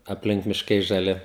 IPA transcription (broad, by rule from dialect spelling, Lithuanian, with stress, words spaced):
ɐpʲˈlʲɪŋk mʲɪʃˈkɐɪ ʒɐˈlʲɪ